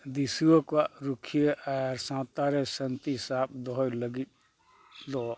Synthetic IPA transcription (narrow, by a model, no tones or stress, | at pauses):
d̪isuokaɾukʰijeʔaɾsãt̪aɾesənt̪isap̚d̪ɔjləɡit̪̚ | d̪ɔ